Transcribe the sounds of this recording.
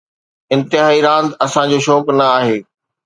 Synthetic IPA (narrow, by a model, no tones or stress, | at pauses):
ɪ̃nt̪ɪɦaːiɾãːnd̪ɐsãd͡ʑoːʃɔːknɐaːɦeː